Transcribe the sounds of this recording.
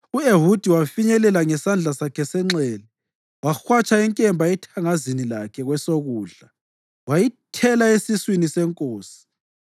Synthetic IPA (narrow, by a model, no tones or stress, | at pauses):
ueɦud̥ʱiwafiɲɛlɛlaŋɛsand͡ɮʱasakʰɛsɛŋ͡ǁɛːlɛ | waxwat͡ʃʼaɛŋkʼɛmbʱaɛtʰaŋazinilakʰɛɣwɛsoɣuːɮa | wajitʰɛlaesiswinisɛŋkʼoːsi̥